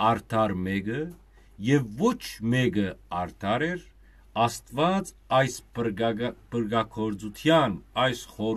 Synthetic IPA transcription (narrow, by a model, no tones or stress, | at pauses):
ɑɾt̪ʰɑɾmɛɡə | jɛvːɔt͡ʃʰmɛɡəɑɾt̪ʰɑɾɛɾ | ɑst̪vɑt͡s | ɑjs | pəɾɡɑkʰɔɾd͡zut̪ʰjɑnɑjsχɔ